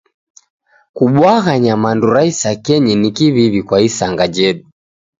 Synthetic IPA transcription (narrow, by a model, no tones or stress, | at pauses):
kuɓwaɣaɲamanduɾaisakɛɲinikiβiβikwaisaŋɡad͡ʒɛɗu